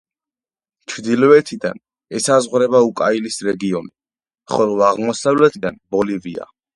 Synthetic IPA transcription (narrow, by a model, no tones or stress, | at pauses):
t͡ʃʰvd̪ilɔvɛt̪ʰid̪a̰n | ɛsazʁɾɛbaukʼailisɾɛɡiɔni | χɔlvaʁmɔsavlɛt̪ʰid̪anbɔlivia̰